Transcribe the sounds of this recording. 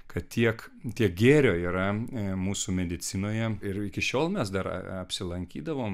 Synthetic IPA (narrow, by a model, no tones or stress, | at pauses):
kɐt̪t̪ʲiɛk | t̪ʲiɛk̚ɡʲeːɾʲoːiːɾɐmuːsumʲɛd̪ʲɪt̪t͡s̪ʲɪnoːjɛɪɾɪkʲɪʃʲoːlˠmʲɛsd̪ɐɾ̰ɐpʲsʲɪlˠɐŋʲkʲiːd̪ɐʋoːm